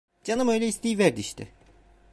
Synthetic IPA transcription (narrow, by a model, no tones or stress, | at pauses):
d͡ʒanɯmø̞jlʲɛist̪ʰijvæɾd̪iʃt̪ʰɪ̰